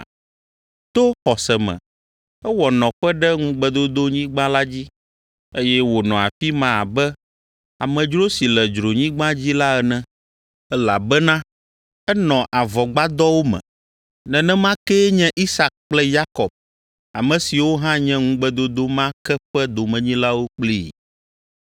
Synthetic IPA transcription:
t̪o˦xɔ˨sɛ˨mɛ̰̃˨ | ɛ˦wɔ˨nɔ̃˨ɸɛ˦ɖɛ˦ŋũ˦ɡ͡bɛ˦d̪o˦d̪o˦ɲĩ˦ɡ͡bã˦la˦d͡ʑi˦ | e˦jɛ˦wo˨nɔ̃˨a̰˨fi˦mã˦a̰˨bɛ˦ | a˨mɛ̃˨d͡ʒɾo˦si˨lɛ˨d͡ʒɾo˨ɲĩ˦ɡ͡bã˦d͡ʑi˦la˦ɛ˨nɛ̃˦ | ɛ˦la˨bɛ˦nã˦ | ɛ˦nɔ̃˨ʔa˨vɔ˨ɡ͡ba˦d̪ɔ˦wo˦mɛ̰̃˨ | nɛ̃˨nɛ̃˦mã˦kɛ˦ɲɛ̃˦ʔi˦sa˨k̚k͡plɛ˦ja˦kɔ˨b̚ | a˨mɛ̃˨si˨wo˦ɦã˦ɲɛ̃˦ŋũ˦ɡ͡bɛ˦d̪o˦d̪o˦mã˦kɛ˦ɸɛ˦d̪o˨mɛ̃˨ɲĩ˦la˦wo˦k͡pli˦˨

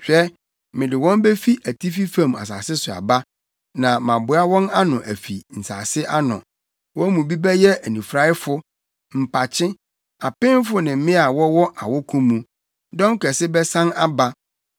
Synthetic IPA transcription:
ɕᶣɛ˦ | mɪ̃˨dɪ˨wɔ̃˦mbe˦fi˦ʔæ˨tʰi˦fi˦fã˦˨ma̰˨s̬a̰ː˨sɪ˦sʊ˨a̰˨ba˦ | nã˨mã˨bʊ˨˦a˦wɔ̃˦na˦nʊ̃˨ʔæ˨fi˨n̩˨sa̰ː˨sɪ˦ʔa˦nʊ̰̃˨ | wɔ̃˦mũ˨bi˦bɛ˦jɛ˦æ˨nĩ˨fɾa˦ɪ˦fʊ˦ | m̩˨pʰa˨t͡ɕʰɪ̃˦ | a˨pɪ̃˦m˦fʊ˦nɪ̃˨˦ɪ̃˦a˨wɔ˦wɔ˦ʔa˨wɔ˦kʰũ˦mũ˨ | dɔ̃˦ŋ˦kʰɛ˨sɪ˦bɛ˦sã˦na˦ba˦

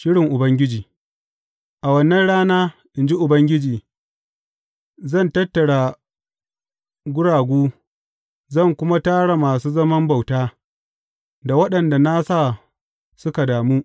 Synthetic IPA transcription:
ʃɪ˦ɽɪ˨ŋʔʊ˨bɐ˦ŋɡʲɪ˦d͡ʒiː˨ | ʔa˨wɐ˦nːɐ˦nɽaː˦naː˦ʔɪ˨nd͡ʒi˦ʔʊ˨bɐ˦ŋɡʲɪ˦d͡ʒiː˨ | zɐ˦˨ntɐ˦tːɐ˨ɽa˨ | ɡʷʊ˦ɽaː˨ɡʷuː˦ | zɐ˦˨ŋkʷʊ˦ma˦taː˦ɽa˨maː˨suː˦zɐ˦mɐ˦mba˨wtaː˦ | da˨wɐ˦ɗɐ˨nda˨na˦sa˦˨ | sʊ˦ka˨daː˨muː˦

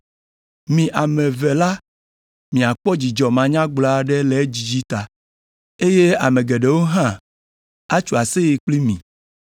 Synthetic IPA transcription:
mĩ˨ʔa˨mɛ̃˨vɛ˨la˦ | mĩ˨a˨k͡pɔ˦d͡ʑi˨d͡ʒɔ˨mã˨ɲã˦ɡ͡bla˦˨ɖɛ˦lɛ˨˦d͡ʑi˨d͡ʑi˦t̪a˨ | e˦je˦a˨mẽ˨ɡɛ˨ɖe˨wo˦ɦã˦ | a˦t͡ʃu˨a˨se˦ji˨k͡pli˦mĩ˨

